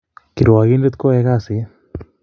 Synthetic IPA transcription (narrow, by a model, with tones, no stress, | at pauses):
kiɾo˨wa˨ɣi˦nde˦t̪ko˦ɛɣa˦si˨e˦